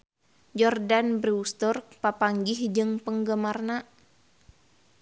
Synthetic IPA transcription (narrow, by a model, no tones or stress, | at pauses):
d͡ʒɔrdanbrist̪urk̚papaŋɡɪhd͡ʒɨŋpəŋɡəmarna